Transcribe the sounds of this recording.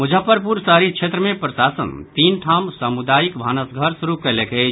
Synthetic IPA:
mud͡ʒʱəpəɾp̬uɾsaɾit͡ʃʰet̪ɾəmẽpɾəsasə̰nt̪inʈʰamsəmud̪ajikbʱanəsɡʱəɾsuɾukəleke

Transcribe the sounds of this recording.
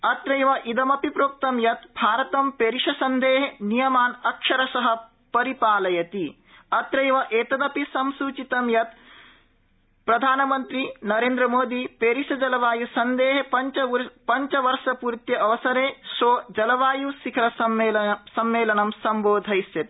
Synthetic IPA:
ɐt̪ɾɐjʋɐʔid̪ɐmɐpipɾoːk̚t̪ɐmjɐt̪bʱaːɾɐt̪ɐmpeːɾiʂɐsɐnd̪eːɦenijɐmaːnɐkʂɐɾɐsɐɦɐ | pɐɾipaːlɐjɐt̪i | ɐt̪ɾɐjʋɐʔeːt̪ɐd̪ɐpisɐmsuːt͡ʃit̪ɐmjɐt̪ | pɾɐd̪ʱaːnɐmɐnt̪ɾinɐɾeːnd̪ɾɐmoːd̪ipeːɾiʂɐd͡ʒɐlɐʋaːjusɐnd̪eːɦepɐɲt͡ʃɐpɐɲt͡ʃɐʋɐɾʃɐpuːɾt̪jɐɐʋɐsɐɾeːʃoːd͡ʒɐlɐʋaːjusikʰɐɾɐsɐesɐmʋeːlɐnɐmsɐmboːd̪ʱɐjsjɐt̪i̥

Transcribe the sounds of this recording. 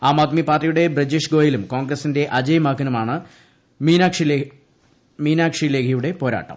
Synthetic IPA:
aːmaːt̪mipaːrːijuɽe̞brɐd͡ʑiːʂɡo̞ːjilumko̞ːŋɡrɐsinde̞ʔɐd͡ʑɐjɐmaːkːɐnɐmaːɳɨ | iːnaːkʂi | miːnaːkʂile̞ːkʰɐjuɽe̞po̞ːɾa̰ːʈːɐ̰m

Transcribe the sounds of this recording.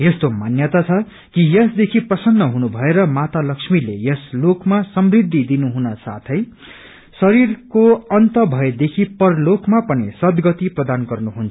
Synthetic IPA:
jest̪omanjʌt̪at͡sʰʌ | kijʌsd̪ekʰiprʌsʌnːʌɦunubʱʌeɾʌmat̪alʌksmilejʌslokmasʌmrid̪ʱːid̪inuɦunʌsa̰t̪ʰʌj | sʌɾirkoʌnt̪ʌbʱʌed̪ekʰipʌrlokmapʌnisʌd̪ɡʌt̪iprʌd̪anɡʌrnuɦunt͡sʰʌ̥

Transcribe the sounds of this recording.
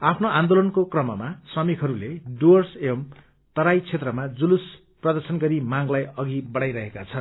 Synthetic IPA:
apʰnoãnd̪olʌnkokrʌmʌmasrʌmikʰɦʌɾuleɖuʌrsem | t̪ʌɾajt͡sʰet̪rʌmad͡zulus | prʌd̪ʌrsʌnɡʌɾimaŋlajʌɡibʌɽajɾʌɦekat͡sʰʌn

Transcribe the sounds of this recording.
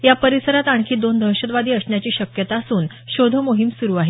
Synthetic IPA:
japəɾisəɾat̪aɳkʰiːd̪ond̪ʱəɾɕəd̪ʋad̪iːəsɳjat͡ɕiːɕəkjət̪asuːn | ɕod̪ʱəmoɦimsuɾuːaɦe

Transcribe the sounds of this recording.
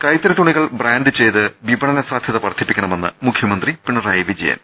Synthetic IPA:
kɐjt̪ːɐɾɐt̪uɳiɣɐɭbraːnɖɨt͡ɕe̞jt̪ɨbibɐɳɐnɐsaːd̪ʱjɐðɐpɐrɐt̪ʰːipːikʲːɐɳɐme̞nːɨ̰mukʰjɐmɐnd̪ripiɳːɐrajʋid͡ʑejːa̰ːn

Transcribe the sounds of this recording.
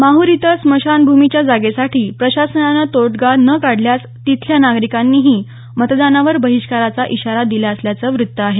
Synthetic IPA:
maɦuɾit̪əsməɕanbʱumit͡ɕjad͡zaɡesaʈiːpɾəɕasənalat̪oʈɡanəkaɽljat͡s | t̪it̪ʰljanaɡɾikanːiːɦiː | mət̪d̪anaʋəɾbəɦiɕkaɾat͡saʔiɕaɾad̪ilaəsljat͡səːʋɾut̪ːəaɦe

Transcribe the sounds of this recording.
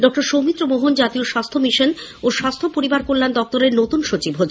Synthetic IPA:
ɖɔk̚ʈaɾʃowmit̪ːɾomoɦund͡ʑat̪ioʃast̪ʰomiʃonoʃast̪ʰopoɾibaɾkollːand̪ɔk̚t̪oɾeɾnot̪unʃot͡ɕibɦod͡ʑ

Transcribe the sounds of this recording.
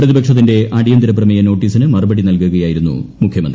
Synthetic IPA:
prɐðibɐkʂɐt̪̬ːinde̞ʔaɽijɐnd̪iɾɐp̬rɐmijɐno̞ːʈːiːsinɨmɐrɐbɐɽinɐlkuɣɐjaːjiɾunːṵmukʰjɐmɐnd̪ri

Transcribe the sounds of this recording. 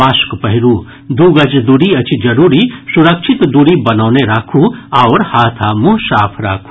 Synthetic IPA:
aːskpɐɦɪɾuː | d̪uːɡɐd͡ʒd̪uɾiɐt͡ʃd͡ʒɐɾuːɾisʊɾəkʃʰɪt̪d̪uɾibɐnaːneɾaːkʰuaːɾhaːt̪ʰamʊɦʃaːpʰɾa̰ːkʰu̥

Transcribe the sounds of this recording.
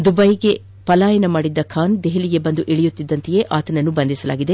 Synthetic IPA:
d̪ubɐjɡe̞ | pɐlaːjɐnɐmaːɽid̪ːɐkʰaːnd̪eɦeliɡe̞bɐnd̪uʔiɭijut̪ːid̪ːɐnt̪ije̞ʔaːt̪ɐnɐnːubɐnd̪isɐla̰ːɡid̪e̞

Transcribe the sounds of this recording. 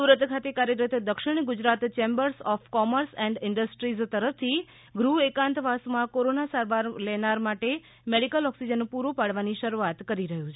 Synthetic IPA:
suɾət̪kʰat̪ekaɾjəɾət̪ʰd̪əkʃɪɳ̃ɡʊd͡ʒɾat̪t͡ʃembəɾsɔfkɔməɾsɛ̃ɳɖɪɳɖəsʈɾizt̪əɾəf̚t̪ʰi | ɡɾuekãnt̪ʋasmãkoɾonasaɾʋaɾlenaɾmaʈe | meɽikəlɔksid͡ʒənpuɾupaɽʋaniʃəɾuat̪kəɾiɾəɦũt͡ʃʰe

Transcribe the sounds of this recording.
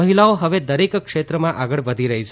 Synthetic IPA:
əɦilaoɦəʋed̪əɾekəkʃet̪ɾəmãʔaɡəɭʋəd̪ʱiɾəɦit͡ʃʰ

